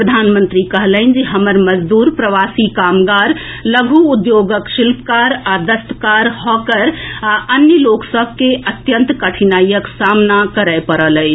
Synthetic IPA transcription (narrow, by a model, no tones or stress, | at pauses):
pɾəd̪ʱanmənt̪ɾikəɦləɪnd͡ʒeɦəməɾməd͡ʒd̪uːɾpɾəʋasikamɡaɾ | ləɡʱuːd̪joɡəkʃilpkaɾad̪əst̪əkaɾhɔkəɾaʔənjəloksəb̚ʱkeət̪jə̃nt̪kəʈʰinajəksamnakəɾəpəɾələɪt͡ʃʰ